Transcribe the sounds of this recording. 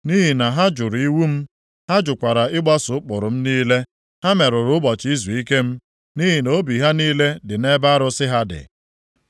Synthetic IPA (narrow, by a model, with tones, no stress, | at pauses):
ni˦ɦi˨na˨ɦa˦d͡ʒʊ˨ɾi˦wu˦m̩˦ | ha˦d͡ʒʊ˨kʷa˨ɾa˨ɪ˦ɡ͡ba˦sʊ˨˦k͡pʊ˨ɾʊ˨m̩˦niː˦le˦ | ha˦me˨ɾʊ˨ɾʊ˦bɔ˨t͡ʃi˦zu˨i˦ke˦m̩˦ | ni˦ɦi˨no˦bi˨ɦa˦niː˦le˦dɪ˨ne˦ba˦ɾʊ˦sɪ˦ɦa˦dɪ̰˨